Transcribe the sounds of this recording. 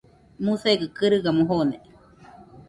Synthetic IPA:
museɡɨkɨɾɯɡamuɦone

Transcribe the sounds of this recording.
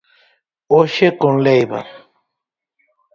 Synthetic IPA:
oʃekonlejβa̰

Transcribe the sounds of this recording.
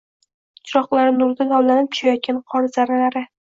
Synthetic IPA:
t͡ʃʰɪɾɒχlˠaɾɪnʊɾd̪ad̪ɒwlanɪp̚t͡ʃʰʊ̥ʃajɒt̪̚kʲanqʰɒɾɪzaɾalaɾɪ

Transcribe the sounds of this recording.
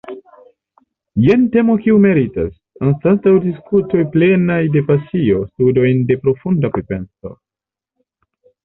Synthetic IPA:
jente̞mo̞kiume̞ɾita̰s | anstantawdiskuto̞jple̞najde̞pasio̞studo̞jnde̞pɾo̞fundapɾepe̞nso̞̰

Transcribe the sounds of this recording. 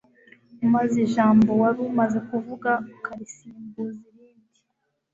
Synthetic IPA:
umaziʒaːmbo̞waɾumaze̞kuvuɡaukaɾisiːmbuziɾiːndi

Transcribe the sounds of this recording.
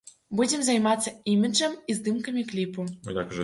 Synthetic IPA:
budʲemzɑjmɑt͡sːɤimʲɘʒə̆mizd̪ɨmkəmʲiklʲipuo̰jʲɑkʒ

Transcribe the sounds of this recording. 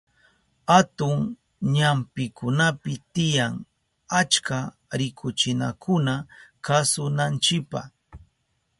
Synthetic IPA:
hat̪ʊŋ | ɲampɪkʊnapɪt̪ɪjaŋ | at͡ʃka | ɾɪkʰʊt͡ʃɪna̰kʰʊnakasʊnant͡ʃɪkpa̰

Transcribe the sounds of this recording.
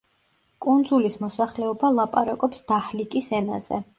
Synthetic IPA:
kʼund̪zulismɔsaχlɛɔbalˠapʼaɾakʼɔpsd̪̥ahlikʼisɛna̰z̥ɛ̰

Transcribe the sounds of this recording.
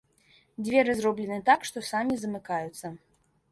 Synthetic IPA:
d͡zʲvʲɛɾɨzrɔblʲɛnɨt̪akʂt̪ɔsamʲizɐmɨkajut̪sːɐ

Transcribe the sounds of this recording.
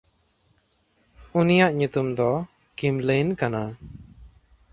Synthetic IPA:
unijaʔɲut̪umd̪ɔ | kimlejnkana

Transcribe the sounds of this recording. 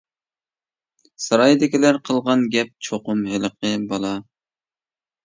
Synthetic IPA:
sɑɾɑjd̪ɪkʲilæɾqʰəlˠʁɑnɡʲɛp̚t͡ʃʰoqʊmɦɪləqʰəbɑlˠɑ

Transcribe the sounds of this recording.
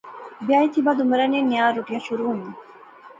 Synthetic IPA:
biajt̪ʰibad̪umɾaneniaɾuʈiaʃuɾun

